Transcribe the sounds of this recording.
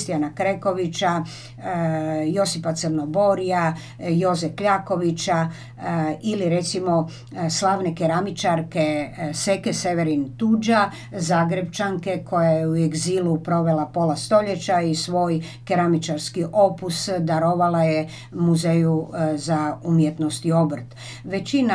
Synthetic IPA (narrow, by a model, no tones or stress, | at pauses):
st̪ijanakɾeko̞ʋit͡ʃa | jo̞sipat̪sərnobo̞ɾija | jo̞zɛfkʎaːko̞ʋit͡ɕa | iliɾe̞t̪simo̞ | slˠaːʋnekeɾamit͡ʃaɾkesekese̞ʋeɾint̪ud͡ʒa | zaːɡɾebt͡ʃaŋke̞kʰo̞jajeueɡzilupɾo̞ʋe̞lapo̞last̪o̞ʎe̞t͡ɕaisʋo̞ːj | keɾamit͡ʃaɾskiʔo̞pusd̪aɾoʋalaje | muzejuzaumjet̪no̞st̪io̞br̩t̪ | ʋe̞t͡ɕina